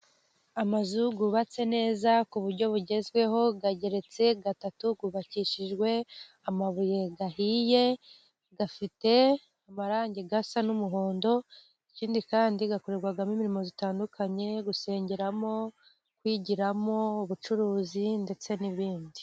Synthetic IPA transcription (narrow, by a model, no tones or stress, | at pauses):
amazuɡuβat͡se̞ne̞ːzakuβuɾɟo̞βuɟe̞zɡwe̞ɦo̞ɡaɟe̞ɾe̞t͡se̞ɡatatuɡuβaciʃiʒɡwe̞ | amaβuje̞ɡaɦije̞ | ɡafite̞ | amaɾaːɲɟeɡasanumuɦo̞ːndo̞ | iciːndikaːndiɡakoɾeɾɡwaɡamimiɾimo̞zitaːndukʰaɲe̞ɡuse̞ːɲɟeɾamo̞ | kwiɟiɾamo̞uβut͡ʃuɾuːzinde̞t͡se̞niβiːndi